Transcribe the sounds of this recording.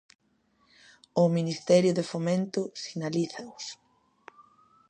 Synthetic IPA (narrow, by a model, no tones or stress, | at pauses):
ʊminist̪ɛɾjʊðefomẽnt̪ʊsinaliθɐʊs